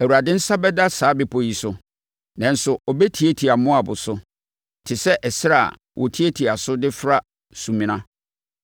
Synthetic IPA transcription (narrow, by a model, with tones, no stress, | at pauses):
æ˨wu˨ɾa˨dɪ̃˦n̩˦sa˦bɛ˦da˦saː˨˦bɪ˨pʰɔ˦ji˨sʊ˨ | nã˨n̩˨sʊ˨ɔ˨bɛ˦tʰi˨e˦tʰi˨a˨mʊ̃˦a˨bʊ˨sʊ˦ | tʰɪ˨sɛ˦ʔɛ˨sɪ˦ɾa̰˦˨ | wʔɔ˨tʰi˦e˦tʰi˨a˨sʊ˦dɪ˦fɾa˦ | sũ˨mĩ˨nã˦